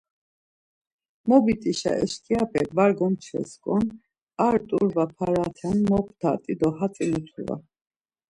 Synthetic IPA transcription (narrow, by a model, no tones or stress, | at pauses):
mɔbit̪ʼiʃa̰ʔɛ̰ʃkʼiapʰɛɡvaɾɡɔmt͡ʃʰɛ̰skʼɔn | aɾt̪ʼuɾvapʰaɾat̪ʰanmɔpʰt̪ʰa̰t̪ʼid̪ɔhat͡sʼinut̪ʰuɾva̰